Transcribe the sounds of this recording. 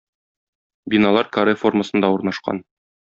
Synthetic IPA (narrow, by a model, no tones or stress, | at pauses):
binɑlˠɑɾkɐɾefo̞rmə̆sɤ̆nd̪ɑuɾnɑʃqɑ̰n